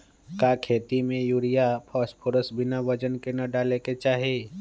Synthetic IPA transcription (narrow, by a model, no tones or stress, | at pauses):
kaːkʰeːt̪imẽjuːɾijapʰɔːspʰʊɾəsbɪnaʋəd͡ʒənkenɐɖaːleket͡ʃaːɦeː